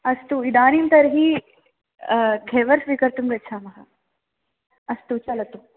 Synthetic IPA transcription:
ɐst̪uid̪aːnimt̪ɐɾɐɦi | ɡʱeːʋɐɾsʋiːkɐɾt̪umʋɐt͡ʃʰaːmɐɦɐ | ɐst̪ut͡ʃɐlɐt̪u

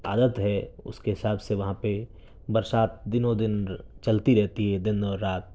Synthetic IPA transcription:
aːd̪ət̪ɦɛʊ̰skeɦɪsaːbseʋɐɦãpe | bɐɾʃaːt̪̚d̪ɪnod̪ɪnt͡ʃɐlt̪iɾɛɦt̪iɦɛd̪ɪnɔːɾːaːt̪̚

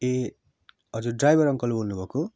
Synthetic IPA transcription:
e | ɦʌd͡zurɖrajbʱʌɾʌŋkʌlbʱolnubʱʌko

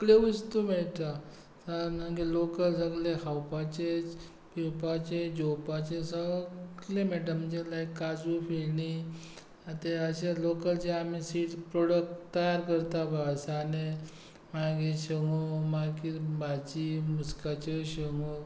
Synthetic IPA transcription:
kleəst̪umeɭʈ̪a | sanãɡilokəlsəɡlehawpat͡ɕe | pipat͡ɕed͡ʑopat͡ɕesəɡlemɛʈəmd͡ʑelaikːad͡zufelni | at̪eəɕelokəld͡ʑeamisiːʈspɾoɽək̚ʈt̪ːəjaɾkəɾt̪abʱasane | maɡeɕəŋomakibat͡ɕimuskat͡ɕeɕəŋɡo

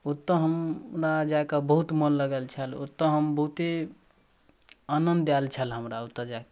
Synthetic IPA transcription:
ot̪ːə̃ɦəmɾad͡ʒaekəbəɦut̪mənləɡəlt͡ʃʰəlo̰t̪ːə̃ɦəmbəɦut̪e | anənd̪jalt͡ʃʰəlɦəmɾaot̪ːəd͡ʒaek

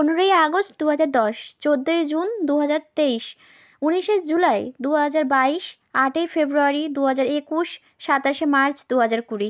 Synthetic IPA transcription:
onoɾojaɡosʈd̪uɦad͡ʑaɾd̪ɔʃt͡ɕod̪ːojd͡ʑund̪uɦad͡ʑaɾt̪eiʃ | uniʃed͡ʑulaed̪uɦad͡ʑaɾbaiʃ | aʈefebɾuaɾid̪uɦad͡ʑaɾekuʃ | ʃat̪aʃemaɾt͡ɕd̪uɦad͡ʑaɾkuɾi

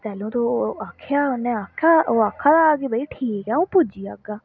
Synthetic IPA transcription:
t̪ɛːlũːt̪oːaːkʰːjaːʊnːẽaːaːoːaːkʰːaːd̪aaːɡeːbəiʈʰiːkɛːũːpʊd͡ʒiːaːɡaː

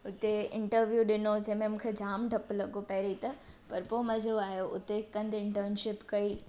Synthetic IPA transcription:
ʊt̪eɪ̃ɳʈəɾʋjuːɗɪnod͡ʑɐ̃ɦmẽmũkʰed͡ʑaːmɖʱɐplɐɡopɐɦɾit̪ɐ | pɐɾpomɐd͡ʑʱoaːɦjoʔʊt̪ekɐ̃nd̪ɪ̃ɳʈəɾnʃɪpkɐiː

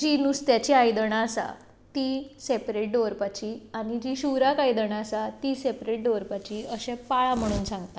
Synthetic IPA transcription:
d͡ʑinust̪jat͡ɕiajd̪əɳaːsa̰ | t̪isepɾeʈ̚ɖoɾpat͡ɕiaɽ̃id͡ʑiɕuɾakajd̪əɳ̃aəsat̪isepɾeʈ̚ɖoʋɾpat͡ɕiəɕɛ̃paɭam̤əɽ̃uːnsãŋɡt̪a

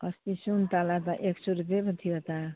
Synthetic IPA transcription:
ʌst̪isunt̪alat̪aʔeksuɾupepʌt̪ʰijot̪a

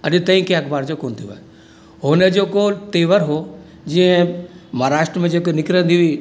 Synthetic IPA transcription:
ɐɗt̪ɐĩkeɐkʰbaːɾd͡ʑokoːnt̪ʰijoa̰ːe | ɦonəd͡ʑoːkot̪eːʋəɾɦo | d͡ʑiə̃mɐaɾaːʃʈɾəmẽd͡ʑoːkonɪkɾə̃nd̪iuiː

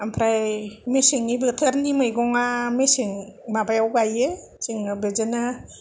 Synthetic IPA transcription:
ampʰɾajmesiŋibɯtʰaɾnimɯjɡɔŋamesiŋmabajawɡaje | siŋnɯbezena

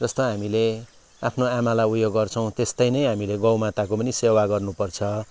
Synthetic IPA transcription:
d͡zʌst̪ʌɦamile | apʰnoamalaujoɡːʌrt͡sʰʌw̃t̪est̪ʌjnʌjɦamileɡʌwmat̪akopʌnisewaɡʌrnupʌrt͡sʰʌ

